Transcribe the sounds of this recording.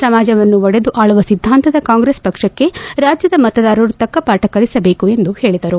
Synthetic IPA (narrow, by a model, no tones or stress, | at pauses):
sɐmaːd͡ʒɐʋɐnːuʋɔɽe̞d̪uʔaːɭuʋɐsid̪ʱːaːnt̪ɐd̪ɐkaːŋɡɾeːspɐkʂɐkːe̞ɾaːd͡ʒjɐd̪ɐmɐt̪ɐd̪aːɾɐɾut̪ɐkːɐpaːʈɐkɐɭisɐbeːkue̞nd̪uhe̞ːɭid̪ɐɾu